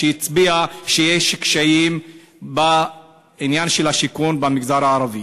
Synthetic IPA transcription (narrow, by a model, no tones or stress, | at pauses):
ejit͡sbiaʃejeʃkʃajim | ba | injanʃelaʃikunbamiɡzaʁhaːʁavi